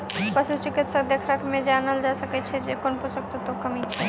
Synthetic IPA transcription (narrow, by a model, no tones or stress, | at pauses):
pəʃut͡ʃikit̪ʃakd̪ekʰɾakmẽd͡ʒanald͡ʒasəket͡ʃʰed͡ʒekonposok̚t̪ʰot̪okəmit͡ʃʰe